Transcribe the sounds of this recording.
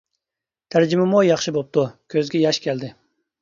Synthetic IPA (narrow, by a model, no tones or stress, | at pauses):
t̪ʰæɾd͡ʒɪmɪmujɑχʃɪbop̚t̪ukʲʰøzɡʲɛjɑʃkʲʰɛld̪ɪ